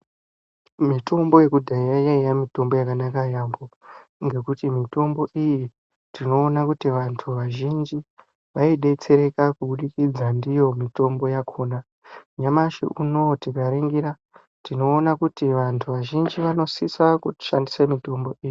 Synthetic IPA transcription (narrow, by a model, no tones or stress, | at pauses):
mito̞mbo̞je̞kudʱaijajaijamito̞mbo̞jakanakajamboŋɡe̞kutimito̞mbo̞ʔiji | tino̞ːnakutiʋantʰuʋaʒind͡ʒi | ʋaiɗe̞t͡se̞ɾe̞kakuɓuɗikid͡zandijo̞mito̞mbo̞jakʰoːna | ɲamaʃḭʔuno̞tikaɾeŋɡiɾa | tino̞ːnakutiʋantʰuʋaʒind͡ʒiʋano̞sisakuti̥ʃandisemito̞mbo̞iji